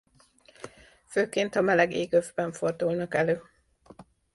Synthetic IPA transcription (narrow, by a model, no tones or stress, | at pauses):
føːkeːnt̪ɒmɛlɛɡeːɡøvbɛɱfo̞rd̪ulnɒkɛløː